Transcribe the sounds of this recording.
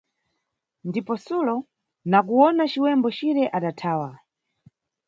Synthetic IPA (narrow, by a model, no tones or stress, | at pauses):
ndipɔsulɔ | nak̬uɔnat͡ʃiwɛmbɔt͡ʃiɾɛʔaɗatʰaːwa